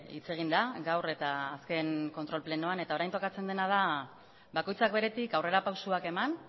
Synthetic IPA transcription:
ḭt͡se̞ɣ̞ind̪aɡawre̞t̪aːske̞nkont̪ɾo̞lple̞noane̞t̪ao̞ɾajnt̪o̞kat͡se̞nd̪e̞nað̞a | βako̞jt͡sakbe̞ɾe̞t̪ikawre̞ɾapawsuake̞man

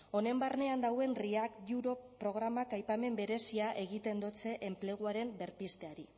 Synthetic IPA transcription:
o̞ne̞mbarne̞and̪awe̞nriakduɾo̞pɾo̞ɣ̞ɾamakajpame̞mbe̞ɾe̞siaʔe̞ɣit̪e̞nd̪ot͡se̞ʔemple̞ɣ̞uaɾe̞mbe̞ɾpist̪e̞aɾi

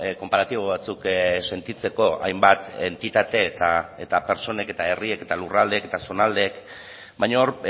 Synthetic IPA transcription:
ko̞mpaɾat̪iβo̞βat͡sukse̞nt̪it͡se̞ko̞a̰jmbat̪e̞nt̪it̪at̪e̞t̪aet̪ape̞ɾt͡so̞ne̞ke̞t̪ae̞rieke̞t̪alurald̪eket̪aso̞nald̪eːk | bajɲaoɾ

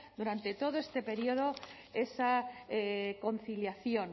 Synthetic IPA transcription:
d̪uɾant̪e̞t̪o̞ð̞oest̪e̞pe̞ɾioð̞o | e̞saeko̞n̟θiljaθjo̞n

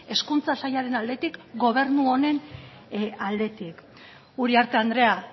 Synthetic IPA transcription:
e̞skunt͡sasajaɾe̞nald̪e̞t̪ikɡo̞β̞e̞rnuo̞ne̞n | ald̪e̞t̪ik | uɾiaɾt̪e̞and̪ɾe̞a

